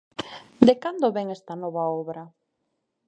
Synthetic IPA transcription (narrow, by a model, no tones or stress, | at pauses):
d̪ekand̪oβɛŋɛst̪ɐnɔβaɔβɾa